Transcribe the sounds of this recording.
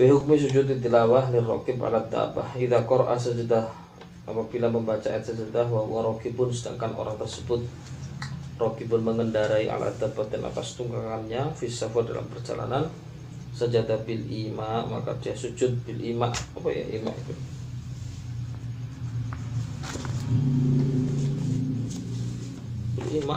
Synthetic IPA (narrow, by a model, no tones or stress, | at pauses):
biɦuk̚mis̬ud͡ʒʊt̪̬it̪ilawaɦlirɔ̰kɪba̰lat̪̚da̰ba̰hiðakɔɾʔa̰səd͡ʒədah | apabilaməmbat͡ʃaɛt̪səd͡ʒədaɦwaɦwaɾokibʊnsəda̰ŋkano̰ɾaŋt̪ərsəbʊt̪̚ | rokibʊnməŋəndaɾaiʔa̰lʔa̰t̪̚d̪apat̪ɛna̰past̪uŋkakaamɲafisafarda̰la̰mpərd͡ʒa̰la̰nan | səɲd͡ʒat̪abɪlimama̰ka̰diasud͡ʒʊt̪̚bɪlʔimaʔapaja̰ʔḭma̰ʔḭt̪u | bɪlima